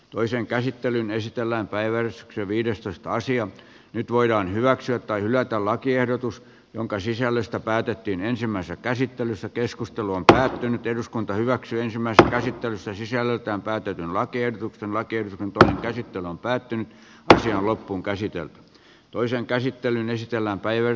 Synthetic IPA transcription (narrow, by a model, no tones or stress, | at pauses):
t̪oiseŋkæsit̪ːelynesit̪elːæːmpæiʋæresy̥kseʋiːɾest̪oist̪ɑɑsiɑ | nyt̪ʋoiɾɑːnhyʋæksyæt̪t̪ɑihylæt̪ællɑkiehdot̪us | jo̰ŋkɑsisælːøst̪æpæːt̪et̪ːiːnensimːæisesækæsit̪ːelysːækeskust̪eluompæːt̪ːynyt̪eduskunt̪ɑhyʋæksyːensimːæisesːækæsit̪ːelyst̪ːæsisælːelt̪æːmpæːt̪et̪ynlɑkiehdot̪uksenlɑkiehot̪uksent̪oineŋkæsit̪ːelyompæːt̪ːynyt̪ | ɑsiɑnlopːuːŋkæsit̪ḛlt̪y̥ | t̪oiseŋkæsit̪ːelynesit̪elːæːmpæiʋ